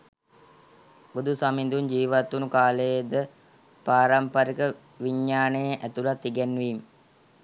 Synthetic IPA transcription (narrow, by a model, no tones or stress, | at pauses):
bud̪usamind̪uɲd͡ʒiːʋat̪ːunukaːləjəd̪ə | paːɾampaɾikə | ʋiɲːaːnejəʔæt̪ulat̪ːiɡɛnʋiːm